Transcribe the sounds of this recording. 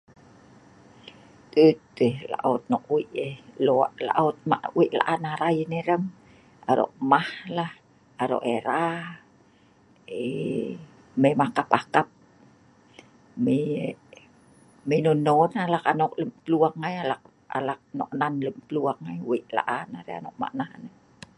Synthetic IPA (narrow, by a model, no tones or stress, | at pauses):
t̪ət̪ehla̰ʔot̪̚nɔʔwiʔehloaʔla̰ʔot̪̚ma̰ʔwiʔla̰ʔanaɾajəneɾəm | a̰ɾo̰ʔmahlah | aɾo̰ʔeɾa | e | memakapakap̚ | me | menononalakanokləmt̪əluaŋːajalak | a̰lak̚no̰ʔnanləmt̪əluaŋːajwiʔla̰ʔanaɾea̰noʔ̚ma̰ʔnahanə